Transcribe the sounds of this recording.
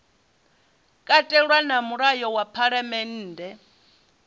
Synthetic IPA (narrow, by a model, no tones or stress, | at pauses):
kʼatʼɛɺwanamuɺajɔwapʰaɺamɛn̩ːdʱɛ